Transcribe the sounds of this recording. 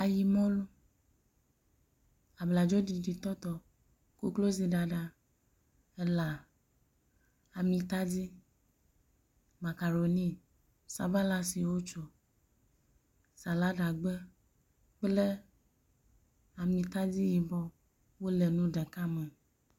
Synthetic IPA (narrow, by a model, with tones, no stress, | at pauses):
a˨ji˨mɔ̃˦lu˦ | a˨bla˨d͡ʒɔ˦di˨ɖi˨t̪ɔ˦t̪ɔ˨ | ku˦klo˦zi˨ɖa˨ɖa˨ | ɛ˦la˨ | a˨mĩ˨t̪a˦d͡zi˦ | ma˨ka˨ɾo˨nĩ˦ | sa˨ba˦la˦si˨wo˦t͡ʃɔ˨ | sa˨la˦ɖa˨ɡ͡bɛ˦ | k͡ple˦ | a˨mĩ˨t̪a˦d͡zi˦ji˨bɔ˦ | wo˦lɛ˨nũ˦ɖɛ˨ka˦mɛ̃˨